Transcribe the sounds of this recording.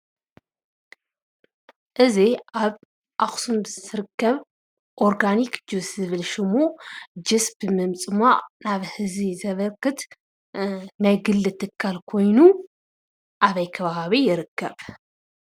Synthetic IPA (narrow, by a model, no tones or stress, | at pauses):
ʔɨziaβ | ʔaxsumbɨzɨɾɨkːɐβ | ʔoɾɡanikd͡ʒɨszɨβɨlʃɪmud͡ʒɨsbɨmɨmt͡sʼɨmaʔnaβhɨzizɐβɐkːɨt̪ | najɡɨlːɨt̪ʰɨkʰːalkʰo̞jnu | ʔaβɐjkʰɐβaβaβijɪɾɨkʰːɐβ